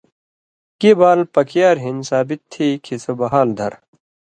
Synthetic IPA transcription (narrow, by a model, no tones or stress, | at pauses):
kibaːlpɐkijaːɾɦinsaːbit̪ʰːiːkʰisobɐɦaːld̪ʱɐ̰ɾ